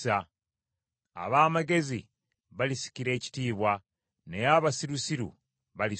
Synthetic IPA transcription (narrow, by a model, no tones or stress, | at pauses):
a | a̰βaːmaɡe̞zḭ | βalisi̥ciɾe̞ːci̥tiːβwa | nejaβasiɾusiɾṵ | βali